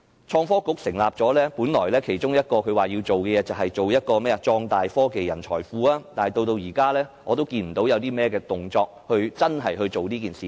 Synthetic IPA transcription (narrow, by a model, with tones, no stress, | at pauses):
t͡ʃʰɔː˧ŋfɔː˥kʊ˨˥k̚sɪ˨˩ŋlaː˨p̚t͡sɔː˨˥lɛː˥puː˨˥nlɔ̰ː˨˩jlɛː˥kʰe˨˩jt͡ʃʊ˥ŋjɐ˥t̚kɔː˧kʰɵ˨˧waː˨˩ji˧wt͡so˨wkɛ˧jɛː˨˧t͡sɐ˨wɦɐ˨jt͡so˨wjɐ˥t̚kɔː˧mɛː˥ɐ˧t͡ʃɔː˧ŋt̪aː˨jfɔː˥ke˨jɐ˨˩nt͡ʃʰɔː˨˩jfuː˨˥aː˦˥t̪aː˨nhɐ˨jt̪o˧wt̪o˧wjiː˨˩kaː˥lɛː˥ŋɔː˨˧t̪o˥wkiː˧nm̩˨˩t̪o˨˥wjɐ˨˧wt̪iː˥mɛː˥kɛː˧t̪ʊ˨˩ŋt͡sɔː˧k̚hɵ˧ɥt͡sɐ˥nɦɐ˨jɦɵ˧ɥt͡so˨wniː˥k̬iː˨nsiː˨